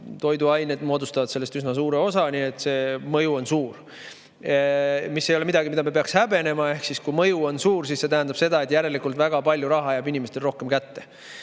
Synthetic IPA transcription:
t̪o̞jd̪uɑjne̞d̪mo̞ːd̪ust̪ɑvɑd̪̥selːest̪ysnɑs̬uːɾe̞o̞sɑnie̞t̪ːˑse̞mɤjuo̞nsuːr | misːe̞jo̞le̞mid̪ɑɡimid̪ɑmepe̞ɑkshæbe̞ne̞mɑe̞hksiskujmɤjuo̞nsuːɾsisse̞t̪æɦænd̪ɑb̥se̞d̪ɑe̞t̪ˑjæɾe̞likult̪væɡ̥ɑpɑlʲjuɾɑɦɑjæbinimest̪e̞lro̞hke̞mkæt̪ːe̞

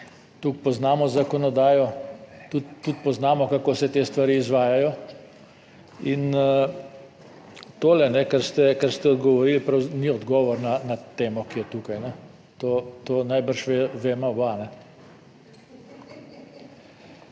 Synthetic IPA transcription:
t̪uk̚pɔznaːmɔzakɔnɔd̪aːjɔt̪ut̪t̪ːut̪pɔznaːmɔkakoːsɛt̪eːst̪ʋaɾiːzʋaːjajɔ | in | t̪oːlɛnɛkaɾst̪ɛkaɾst̪ɛɔd̪ɡɔʋɔɾiːlpɾawniɔd̪ɡɔːʋɔɾnanat̪eːmɔkijɛt̪ukajnɛ | t̪oːt̪oːnajbəɾʃʋeʋeːmaɔbanɛ

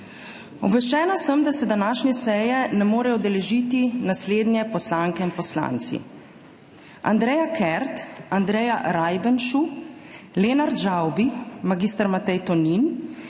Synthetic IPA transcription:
ɔ̰bʋɛʃt͡ʃɛːnasəmd̪asɛd̪anaːʃnɛsɛːjɛnɛmoːɾɛjɔd̪ɛlɛʒiːt̪inasleːd̪njɛpɔslaŋkɛinpɔsla̰nt̪sḭ | a̰nd̪ɾɛjakɛɾt̪and̪ɾɛːjaɾajbənʃu | leːnaɾd͡ʒawbimaɡist̪əɾmat̪ɛjt̪ɔnin

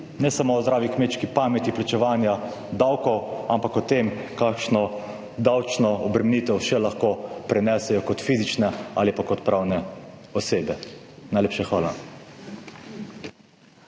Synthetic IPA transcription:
nɛsamoːɔzd̪ɾaːʋikmeːt̪t͡ʃkipaːmɛt̪iplat͡ʃɛʋaːnja | d̪awkɔwampakɔt̪emkakʃnɔ | d̪awt͡ʃnɔɔbɾɛmenit̪ɛwʃɛlaxkopɾɛnɛsɛjɔkɔt̪fiːzit͡ʃnɛa̰ːlipakɔt̪pɾʔaːwnɛɔseːbɛnajleːpʃaxʋaːla

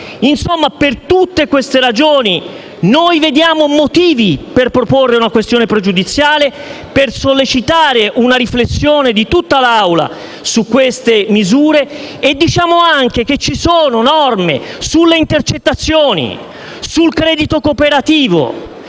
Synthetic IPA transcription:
insomːapert̪ut̪ːekwest̪eɾad͡ʒoːni | nojved̪jaːmomot̪iːviperpɾoporːeunakwest̪joːnepɾed͡ʒud̪it̪sːjaːle | persolːet͡ʃit̪aːɾeʔunaɾiflesːjoːned̪it̪ut̪ːalawla̰ | sukːwest̪emizuːɾeːd̪ːit͡ʃaːmoaŋk̟ek̟et͡ʃːisoːnonɔrmḛsulːeint̪ert͡ʃet̪ːat̪sːjoːnḭ | sulkɾɛːd̪it̪okopeɾat̪iːvo̰

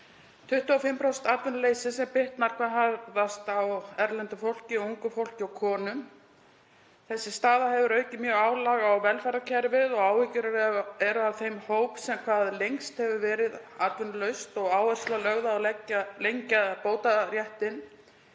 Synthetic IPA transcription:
t̪ʰʏht̪ʏafɪmpɾɔwst̪at̪vʏnleːjsɪsɛmpɪht̪naɾ̥kʰvaɦaðast̪awɛɾlɛnt̪ʏfowl̥cɪɔuŋkʏfowl̥cɪawkʰɔːnʏm | θɛsːɪst̪aːðahɛvʏɾœːɥcɪmjœːɣaːwlaɣawvɛlfɛɾacʰɛɾvɪðɔɣaːwhɪcʏɾɾɛɾʏavθejmhoːwpsɛmkʰvaːðlejŋst̪hɛvʏɾvɛːɾɪðat̪vʏnlœɥst̪ɔɣaːwɛrslalœɣðaːlɛcːalejɲcaðpoːwt̪aɾjɛht̪ɪn

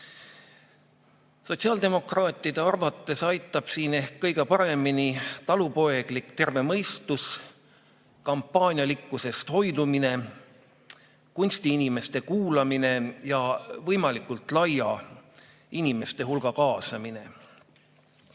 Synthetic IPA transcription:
so̞tʲsiɑːld̪e̞mo̞krɑːt̪ːˑid̪̥e̞ɑrvɑt̪ːˑe̞sɑjt̪ːˑɑb̥siːne̞hkːɤ̞jɡ̥e̞pɑɾe̞minit̪ɑlupo̞e̞ɡ̥likt̪e̞rve̞mɤjst̪us | kɑmpːˑɑːnʲjɑlikːuse̞st̪ho̞jd̪umine̞ | kunʲst̪iinime̞st̪e̞kuːlɑmine̞jɑvɤjmɑlikːˑult̪ˑlɑjɑ | inime̞st̪e̞ɦulɡ̥ɑkɑːsɑmine̞

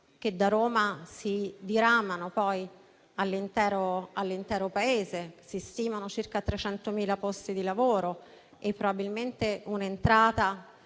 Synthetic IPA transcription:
k̟ed̪aɾoːmasid̪iɾamːanopɔj | alːint̪ɛːɾoalːint̪ɛːɾopaeːzesist̪iːmanot͡ʃirkat̪ːɾet͡ʃɛnt̪omiːlapɔst̪id̪ilavoːɾo | epːɾobabilment̪eunent̪ɾaːt̪a

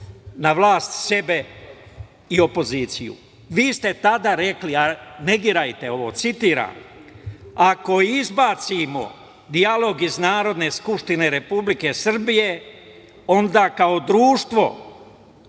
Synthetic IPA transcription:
naʋlaːst̪se̞be̞ | io̞po̞ziːt̪sijṵ | ʋiːst̪e̞t̪ad̪aɾe̞kliane̞ɡiɾajt̪e̞o̞ʋo̞̰ːt̪sit̪iːɾa̰ːm | ako̞izbaːt̪simo̰ | d̪ialo̞ɡiznaːɾo̞d̪ne̞skupʂt̪ine̞ɾe̞publike̞sr̩bije̞ | o̞nd̪akao̞d̪ɾuːʃt̪ʋo̞̰

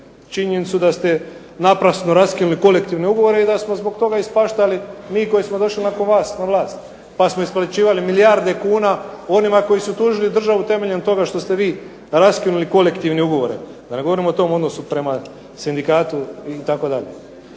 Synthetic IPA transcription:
t͡ʃiɲenit̪sud̪ast̪e̞ | napɾasnoɾaskinuliko̞le̞kt̪iʋneuɡo̞ʋo̞ɾeid̪asmo̞zbo̞ɡt̪o̞ɡaispaʃt̪alimiːko̞jismod̪o̞ʃlinako̞nʋaːsnaʋlˠaːst̪ | pasmo̞isplat͡ʃiːʋalimilijaɾd̪ekuːnao̞nimako̞jisut̪uːʒiliud̪r̩ʒaʋut̪e̞me̞ʎent̪o̞ɡaʃt̪o̞st̪e̞ʋiː | ɾaskinuliko̞le̞kt̪iʋneuɡo̞ʋo̞ɾḛ | d̪ane̞ɡo̞ʋo̞ɾimo̞ot̪o̞ːmo̞d̪no̞supɾe̞ma | sind̪ikaːt̪uit̪ako̞d̪aʎḛ

